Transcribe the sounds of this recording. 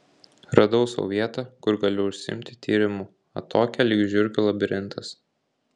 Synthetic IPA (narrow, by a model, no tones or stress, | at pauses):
ɾɐd̪ɔʊsɔ̰ʋʲiɛt̪ɑkʊɾɡɐlʲʊʊʃʲsʲɪɪ̰mʲt̪ʲɪt̪ʲʰiːɾʲɪmu | ɐt̪ʰoːkʲɛlʲiːɡʒʲʊɾʲɡʲʊlˠɐbʲɪɾʲɪnt̪ɐs